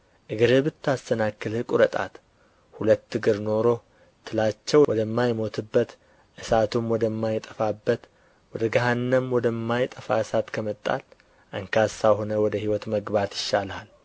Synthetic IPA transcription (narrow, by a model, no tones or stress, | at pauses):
ʔɨɡɨɾɨbɨt̪ːast̪ʰənakːɨlhɨkʼuɾət̪ʼa̰t̪ | hulət̪ːɨɡɨɾno̞ɾo̞ | t̪ʰːɨlat͡ʃːɛwɔd̪əmːajmo̞t̪ʰɨbːət̪ | ʔɨsat̪ʰumwɔd̪əmːajɪt̪ʼəfabːət̪ | wɔd̪əɡaɦanːəmwɔd̪əmːajt̪ʼəfa̰ɨsat̪kʰəmət̪ʼːa̰l | ʔɨŋkʰasaho̞nəwɔd̪əhiwɔt̪məɡbat̪jɪʃːalal